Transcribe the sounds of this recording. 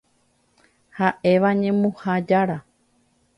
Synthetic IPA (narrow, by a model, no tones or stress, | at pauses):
haʔe̞ʋaɲẽ̞mũhad͡ʒaɾa